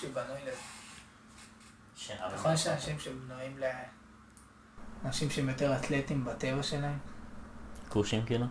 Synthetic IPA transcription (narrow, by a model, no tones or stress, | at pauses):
uvanujle | ʃnaχolʃeanaʃimʃebnuimle | anaʃimʃeemjo̞te̞ʁat̪let̪imbat̪e̞vaʃe̞laem | kuʃimkilu